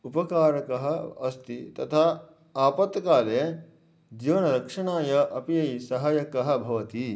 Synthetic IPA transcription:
upɐkaːɾɐkɐɦɐ̆ɐst̪it̪ɐt̪ʰaː | aːpɐt̪kaːleː | d͡ʒ̪iʋɐnɐɾɐkʂɐɳaːjɐʔɐpijɐjsɐɦaːjɐkɐɦɐ̆bʱɐʋɐt̪i

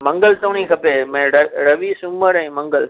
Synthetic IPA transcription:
mɐŋɡɐlt̪oːnĩkɐpːemɐɾɐʋisʊmːɐɾɐ̃j̃mɐŋɡɐl

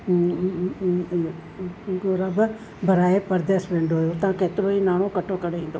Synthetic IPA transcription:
ɡoɾab | bʱəɾaːepɐɾd̪eːsʋẽːɳɖoɦjot̪ɐãkeːt̪ɪɾoiːnaːɽ̃okɐʈʰokɐɽeĩːn̆d̪oː

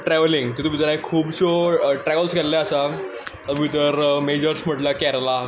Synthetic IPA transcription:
ʈɾɛʋliŋɡt̪it̪ubʱit̪əɾaikʰuːbɕoʈɾɛʋəlskɛllaasa | əumit̪̬əɾmed͡ʑəɾsm̤əʈlakɛɾla

